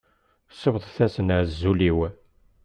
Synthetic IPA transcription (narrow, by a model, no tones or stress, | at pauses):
səvðˤθæsənaɾzːuliw